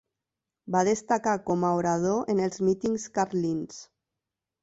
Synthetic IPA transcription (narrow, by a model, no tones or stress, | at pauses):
baðəst̪akakɔmaoɾað̞oʔenəlˠzmit̪iŋskaɾlins